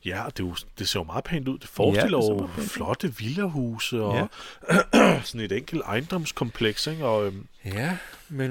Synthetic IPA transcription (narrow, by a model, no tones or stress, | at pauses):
jæɒ̽d̥e̝od̥e̝se̝ɐ̰jomɑ̈ːð̩ˠpʰɛŋnd̥uð̰ˠd̥e̝fɒːsɡ̥el̰ɒʊflɒ̽d̥əʋilɐɦuːsəɒ | sɒ̽ne̝d̥eŋ̰ɡ̥l̩d̥ɑ̈ɪnd̥ɒ̽m̰skʰɒ̽mpʰleɡ̥seɡ̥ɒ̽ømæ